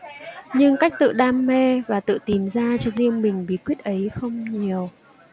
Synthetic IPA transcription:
ɲɨ˧ŋka˦˥k̟̚t̪ɨ̰˧˨ɗaː˧mːe˧vaː˨˩t̪ɨ̰˧˨t̪i˨˩mzaː˧t͡ɕɔ˧zi˧əmmï˨˩ŋ̟ɓi˨˦kwi˦˥ət̚ʔə˨˦jxə˧wŋ͡mɲi˨˩əw

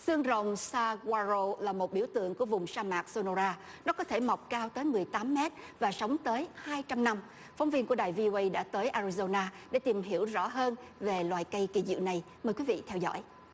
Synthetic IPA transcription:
sɨ˧əŋzə˨˩wŋ͡msaː˧ɣwaː˧zo˧laː˨˩mo˨˩t̚ɓi˧˩əwt̪ɨ̰˧˨əŋku˧˩əvʊ˨˩ŋ͡msaː˧maː˨˩k̚so˧no˧zaː˧ | nɔ˨˦kɔ˨˦t̪ʰe˧˩ma˨˩wk͡p̚kaː˧wt̪əː˨˦jmɨ˨˩əjt̪aː˨˦mːɛ˦˥t̚ | vaː˨˩sə˨˦wŋ͡mt̪əː˨˦jhaː˧jt͡ɕa˧mna˧m | fɔ˨˦wŋ͡mvi˧nku˧˩əɗaː˨˩jvi˧o˧ʔə˧jɗa̰ː˧˥t̪əː˨˦jʔaː˧ɹi˧zo˧naː˧ɗḛ˧˩t̪i˨˩mɦi˧˩əwzɔ̰˧˥ɦəː˧nve˨˩lwaː˨˩jkə˧jki˧˩zɨ̰˧˨na˨˩j | məː˨˩jkwi˨˦vḭ˧˨t̪ʰɛ˧wzɔ̰˧˥j

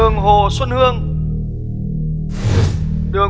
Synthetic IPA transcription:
əŋɦo˨˩swə˧nhɨ˧əŋ | ɗɨ˨˩ə

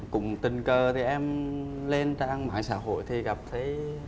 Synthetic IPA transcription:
kʊ̰˧˥ŋ͡mt̪ï˨˩ŋ̟kəː˨˩t̪ʰi˨˩ʔɛ˧mle˧nt͡ɕaː˧ŋma̰ː˧˨jsa̰ː˧˥ɦo̰˧˨jt̪ʰi˨˩ɣa˨˩p̚t̪ʰə˨˦j

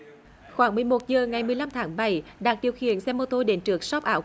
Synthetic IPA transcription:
xwaː˧˩˦ŋmɨ˨˩əjmo˨˩t̚zəː˨˩ŋa˨˩jmɨ˨˩əjla˧mt̪ʰaː˨˦ŋɓa˧˩˦jɗaː˨˩k̚ɗi˨˩əwxḭ˧˨ənsɛ˧mːo˧t̪o˧ɗe˨˦nt͡ɕɨ˨˦˩ək̚sɔ˦˥p̚ʔaː˨˦w

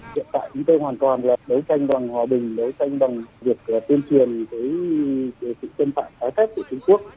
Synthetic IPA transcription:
hḭ˧ənt̪a̰ː˧˨jt͡ɕʊ˨˦ŋ͡mt̪əː˧jhwaː˨˩nt̪waː˨˩nlaː˨˩ɗə˨˦wt͡ɕa˧jŋ̟ɓa˨˩ŋhwaː˨˩ɓï˨˩ŋ̟ɗə˨˦wt͡ɕa˧jŋ̟ɓa˨˩ŋvi˨˩ək̚ːt̪i˧ənt͡ɕwi˨˩ənkəː˨˦j | sɨ̰˧˨t͡ɕə˧nt̪a̰ː˧˨mkaː˨˦jxa˦˥k̚kṵ˧˩t͡ɕʊ˧ŋ͡mku˦˥ək̚

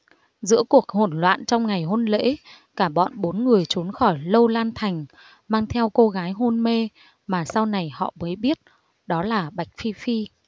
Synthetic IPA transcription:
zɨ̰˧˥əku˨˩ək̚ho˨˩nlwa̰ː˧˨nt͡ɕɔ˧wŋ͡mŋa˨˩jɦo˧nlḛ˧˥ | kaː˧˩ɓɔ̰˧˨nɓo˨˦nŋɨ˨˩əjt͡ɕu˨˦nxɔ˧˩jlə˧wlaː˧nt̪ʰa˨˩jŋ̟ | maː˧ŋt̪ʰɛ˧wko˧ɣaː˨˦jɦo˧nme˧ | maː˨˩sa˧wna˨˩jhɔ̰˧˨məː˨˦jɓi˦˥ət̚ | ɗɔ˨˦laː˨˩ɓa˨˩jk̟̚fi˧fi˧

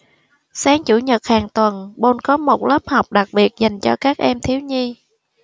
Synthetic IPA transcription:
saː˨˦ŋt͡ɕu˧˩ɲə˨˩t̚haː˨˩ŋt̪wə˨˩nɓo˧nkɔ˨˦mo˨˩t̚ləː˦˥p̚hɔ˨˩wk͡p̚ɗa˨˩k̚ɓi˨˩ət̚za˨˩jŋ̟t͡ɕɔ˧kaː˦˥k̚ʔɛ˧mt̪ʰi˨˦əwɲi˧

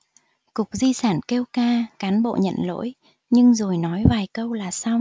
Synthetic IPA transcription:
kʊ˨˩k͡p̚zi˧saː˧˩nke˧wkaː˧kaː˨˦nɓo̰˧˨ɲə̰˧˨nlo̰˧˥j | ɲɨ˧ŋzo˨˩jnɔ˨˦jvaː˨˩jkə˧wlaː˨˩saː˧w

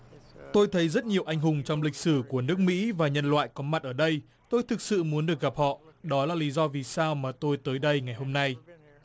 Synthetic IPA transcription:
t̪o˧jt̪ʰə˨˦jzə˦˥t̚ɲi˨˩əwʔa˧jŋ̟ɦʊ˨˩ŋ͡mt͡ɕɔ˧wŋ͡mlï˨˩k̟̚sɨ˧˩ku˧˩ənɨ˦˥ək̚mḭ˧˥vaː˨˩ɲə˧nlwa̰ː˧˨jkɔ˨˦ma˨˩t̚ʔəː˧˩ɗə˧j | t̪o˧jt̪ʰɨ˨˩k̚sɨ̰˧˨mu˨˦ənɗɨ˨˩ək̚ɣa˨˩p̚hɔ̰˧˨ɗɔ˨˦laː˨˩li˨˦zɔ˧vi˨˩saː˧wmaː˨˩t̪o˧jt̪əː˨˦jɗə˧jŋa˨˩jɦo˧mna˧j

